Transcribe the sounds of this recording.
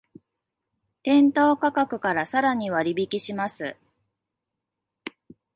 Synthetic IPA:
t̪ẽ̞nt̪o̞ːkakakɯ̟kaɾasaɾaɲ̟iβaɾʲibʲikʲiɕimasɨ

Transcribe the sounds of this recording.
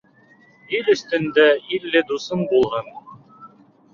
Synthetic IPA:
ilɵ̆st̪ɵ̆nd̪æilːɘd̪usɤnbulˠʁɑn

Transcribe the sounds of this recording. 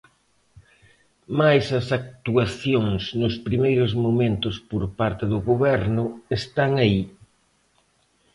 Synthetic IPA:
majsɐsak̚t̪uaθjoŋsnʊspɾimejɾʊzmomẽnt̪ʊspoɾpaɾt̪ɪðʊɣoβɛɾnʊest̪aŋai

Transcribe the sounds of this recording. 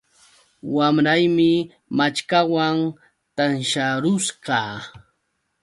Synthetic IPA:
wamɾajmɪ | mat͡ʃkawaŋ | t̪anʃaɾʊsɢɑː

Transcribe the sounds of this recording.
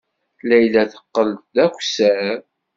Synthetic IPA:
læjlæθə̥qːəlt̪̚d̪ækʷsæ

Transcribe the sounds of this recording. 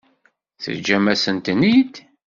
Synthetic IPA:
θə̰d͡ʒːæmæsənt̪nid̪

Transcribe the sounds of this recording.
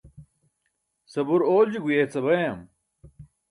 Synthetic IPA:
sɐbuɾoːld͡ʑiɡujet͡sɐbɐjɐm

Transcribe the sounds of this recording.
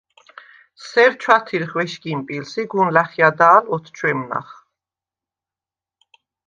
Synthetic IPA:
sɛɾt͡ʃʰwat̪ʰiɾχwɛʃɡimpʼilsiɡunlaχjad̪aːlɔt̪ʰt͡ʃʰwɛmna̰χ

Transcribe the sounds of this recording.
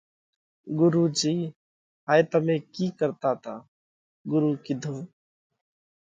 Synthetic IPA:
ɡʊɾud͡ʒiː | ɦaːjt̪əmẽkikəɾt̪at̪ʰa | ɡʊɾukid̪ʱõː

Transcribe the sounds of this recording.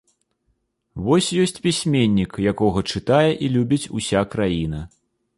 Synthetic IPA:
vɔsʲjɔsʲt͡sʲpʲisʲmʲenʲːikjakɔɣɐt͡ʂɨt̪ajɛʔilʲubʲit͡sʲṵsʲakɾajin̪ɐ

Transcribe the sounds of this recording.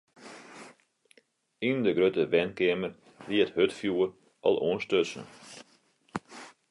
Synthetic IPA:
indəɡɾøtəʋɛnkeəmər | ʋiəthøtfjuər | ʔɔ̰lˠoənstøsnə̰

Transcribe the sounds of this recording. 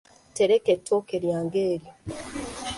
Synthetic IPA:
teɾeketʰːoːkeɾjaːŋɡeːɾjo

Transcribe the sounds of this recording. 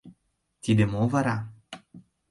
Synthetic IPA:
t̪id̪emovaɾa

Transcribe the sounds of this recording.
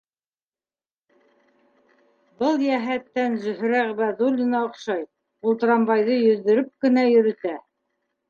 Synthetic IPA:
bɤlˠjæɦæt̪ːænzɵ̆ɦɾæʁbæðulʲːinɑŏqʃɑj | ulˠt̪ɤ̆ɾɑmbɑjðɤjɵ̆ðːɘ̆ɾɘp̚kɘ̆næjɵ̆ɾɵ̆t̪æ

